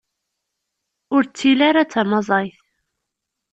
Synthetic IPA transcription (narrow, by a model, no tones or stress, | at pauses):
ʊɾt͡sːilaɾat͡sːamɑzˤɑjθ